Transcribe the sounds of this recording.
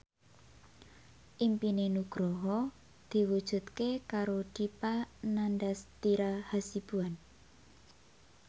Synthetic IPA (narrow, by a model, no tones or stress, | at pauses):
ʔimpinenuɡ̥ɾɔɦɔ | d̪̥i̤wud̥ʒ̥ṳt̪kekaɾod̪̥ipanandast̪iɾahasib̥uan